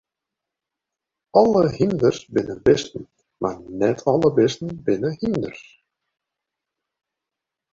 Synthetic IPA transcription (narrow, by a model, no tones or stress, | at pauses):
ɑlˠəhimd̪ərsbɪnəbɪst̪n̩ | ma̰rnɛt̪ʰɔləbɪst̪n̩bɪnəhimd̪ər̥